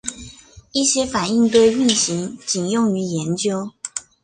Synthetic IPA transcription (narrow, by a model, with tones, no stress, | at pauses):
i˥˩ɕjɛ˥fa˨˩ni˥˧ŋt̪we˥˧ɪy˥˩nɕi˧˥ŋt͡ɕi˨˩njʊ˥˩ŋy˧˥jɛ˧˥nt͡ɕjo˥ʊ